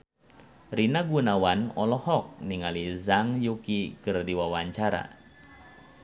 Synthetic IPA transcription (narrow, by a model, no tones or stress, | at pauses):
rinaɡunawanɔlɔhɔk̚niŋalizaŋjukikɨrdiwawaɲt͡ʃaɾa̰